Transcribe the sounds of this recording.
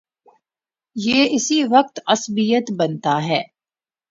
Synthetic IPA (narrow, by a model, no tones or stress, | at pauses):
jeːʔɪsiʋɐq̚t̪ɐsbijət̪bɐnt̪aɦɛː